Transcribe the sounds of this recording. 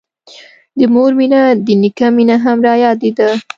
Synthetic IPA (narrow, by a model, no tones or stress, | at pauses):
d̪əmoɾminad̪ənikaminaɦamɾɑjɑd̪ed̪a